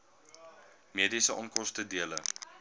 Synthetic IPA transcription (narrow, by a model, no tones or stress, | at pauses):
miədisəʔɔnkɔstədiələ